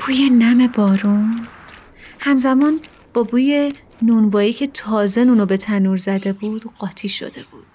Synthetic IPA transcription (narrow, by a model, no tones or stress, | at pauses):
pʰuːjenæme̞bɒːɾun | hæmzæmɒːn | b̥ɒːbuːje̞ | nunvɒːiːcʰe̞t̪ʰɒːze̞nuːnobe̞t̪ʰænuːɾzæd̪e̞buːd̪̥ɢɒːt̪ʰiːʃo̞̰d̪e̞b̥uːd̪̥